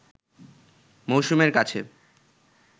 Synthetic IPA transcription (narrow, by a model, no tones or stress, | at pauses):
mowʃumeɾkat͡ɕʰḛ